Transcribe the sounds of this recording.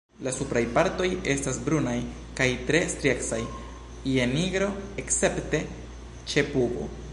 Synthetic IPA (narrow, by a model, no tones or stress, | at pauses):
lasupɾajpaɾto̞je̞stasbɾunaj | kajtɾe̞stɾieksaj | ie̞niɡɾo̞ekse̞pte̞ | t͡ʃe̞puɡo̞̰